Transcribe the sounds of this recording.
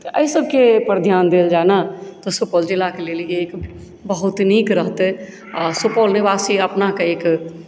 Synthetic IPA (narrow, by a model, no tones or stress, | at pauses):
t̪ʔəisəb̚kepəɾd̪ʱjaːnd̪eːld͡ʒaːnat̪osoːpoːld͡ʒɪlakeleːleːk | bəɦʊt̪niːkɾəɦt̪e | sopoːlnebaːsiəpnakeeːk